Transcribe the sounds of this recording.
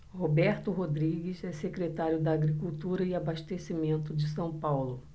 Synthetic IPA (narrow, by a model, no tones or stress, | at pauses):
hobɛɾt̪ʊɦod̪ɾiɡɪsɛsekɾet̪aɾjʊd̪ɐːɡɾikuwt̪uɾɐɪabaʃt̪esimẽnt̪ʊd͡ʒɪsɐ̃w̃pawlʊ